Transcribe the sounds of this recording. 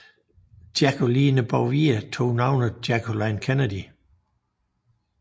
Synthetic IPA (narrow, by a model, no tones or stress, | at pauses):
d̥jækʰoliːnəb̥ɑʊʋiət͡sʰo̝̰ːnɑ̈ʊnəd̥jækʰolɑɪnkʰænədi